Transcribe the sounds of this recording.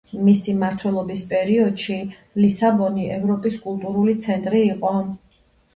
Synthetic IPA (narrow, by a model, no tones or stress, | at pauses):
misimaɾt̪ʰwɛlˠɔbispʼɛɾiɔd̪̥ʃi | lisabɔniʔɛvɾɔpʼiskʼulˠt̪ʼuɾulit̪sʰɛnt̪ʼɾiːqʼɔ